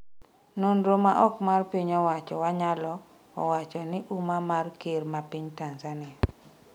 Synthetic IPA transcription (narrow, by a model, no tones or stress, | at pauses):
nonɾomaʔɔkmarpiɲɔwat͡ʃɔwaɲalɔ | ɔwat͡ʃɔnɪʔumamarkermapiɲtanzanɪa